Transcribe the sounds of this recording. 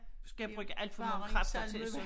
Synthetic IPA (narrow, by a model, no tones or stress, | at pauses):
sɡ̥æjæb̥ʁœɡ̥əʔæl̰d̥fɒ̽mɑ̈ːkʰɑ̥ɒt͡sʰel